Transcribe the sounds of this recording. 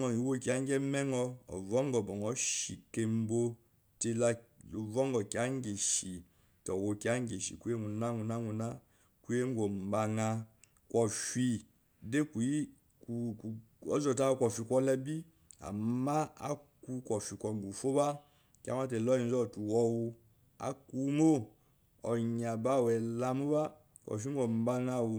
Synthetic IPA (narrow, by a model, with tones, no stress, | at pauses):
ɔ˨i˨wo˦˨ki˨a˨˦ŋ˦ɡɛ˦mɛ˦ŋɔ˦ɔ̰˨vɔ˦ŋɡɔ˨bɔ˨ŋɔ˨˦ʃi˨ke˨m˦bo˦ | te˦la˦o˨vɔ˦ŋɡɔ˨ki˨a˦ŋ˦ɡe˨ʃi˨ | tɔ˨wo˨ki˨˦a˦ŋ˦ɡe˨ʃḭ˨ku˦e˦ŋu˨na˦ŋu˨na˦ŋu˨na˦ | ku˦e˦ŋ˦ɡo˨m˨ba˨ŋa˧ | kwɔ˨fi˦ | de˦ku˨i˦ | ku˨k | ɔ˦zɔ˨ta˦kʷɔ˨fi˧kʷɔ˦lɛ˦bi˦ | a̰˨mːa˦a̰˦ku˦kʷɔ˨fi˨kʷɔ˨ŋ˨ɡu˨fo˦ba˦ | kʲa̰˦ma˦te˨lɔ˦i˨n˦zɔ˦˨tu˨wɔ˧wu˧ | a̰˨˦ku˦mo˦ | ɔ˨ɲa˨ba˦˨wɛ˨la˧mu˦ba˦ | kʷɔ̰˨fi˦ɡo˨m˨ba˦ŋa˦wo˨